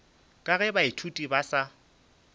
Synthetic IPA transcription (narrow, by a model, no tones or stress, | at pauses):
kʼaɣɛbaitʰutʼibasa